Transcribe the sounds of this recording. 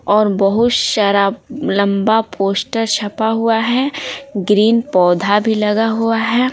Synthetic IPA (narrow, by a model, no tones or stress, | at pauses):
ɔːɾbɐɦʊt̪ʃɐɾaːblɐ̃mbapʰoːsʈəɾt͡ʃʰɐpaɦuaɦɛːɡɾiːnpɔːd̪ʱabʱilɐɡaɦuaɦɛː